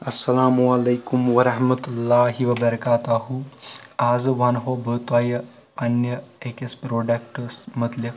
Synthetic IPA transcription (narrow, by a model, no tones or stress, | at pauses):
ɐsːɐlaːmualejkumʋɐɾɐɦmɐt̪ulːaːɦiʋɐbɐɾɐkaːt̪aɦuaːzʋanɦobət̪ʋaːjɐ | ɐnjɐekespɾoːɖak̚ʈɐsmət̪ljɐ